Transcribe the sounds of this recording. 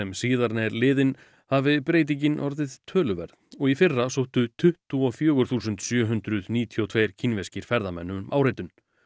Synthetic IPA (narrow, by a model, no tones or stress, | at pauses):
ɛmsiːðaɾnɛɾlɪːðɪn | havɪpɾeːjt̪̬iɲcɪnʔɔɾðɪð̥t̪ʰœːlʏvɛɾðɔɣifɪrːasowht̪ʏt̪ʰʏht̪uɔfjœːɣʏɾ̥θuːsʏnt̪sjœːɦʏnt̪ɾʏðniːt̪ʰiɔwt̪ʰvejɾ̥cʰinvescɪɾ̥fɛɾðamɛnːʏmʔaːwɾejt̪ʏn